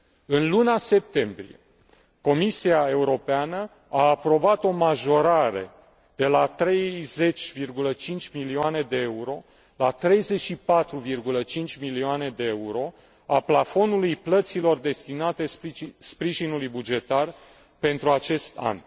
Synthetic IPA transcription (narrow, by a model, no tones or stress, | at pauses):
ɨnlunase̞p̚t̪e̞mbɾḭe̞̰ | ko̞misiae̞uɾo̞peanə | aːpɾo̞bat̪o̞maʒo̞ɾaɾe̞̰ | d̪̥e̞lat̪ɾe̞jze̞t͡ʃʲvirɡulət͡ʃint͡ʃʲmilioane̞d̪e̞euɾo̞ | lat̪ɾe̞jze̞ʃipat̪ɾuvirɡulət͡ʃint͡ʃʲmilioane̞d̪e̞euɾo̞ | aplafo̞nulujplət̪silo̞rd̪e̞st̪inat̪e̞spɾiʒinulujbud͡ʒe̞t̪ar | pe̞nt̪ɾuat͡ʃe̞st̪a̰n